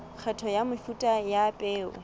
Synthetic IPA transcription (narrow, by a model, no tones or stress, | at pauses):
k͡xʰɛtʰɔjamʊfutʼajapʼɛːʊ̰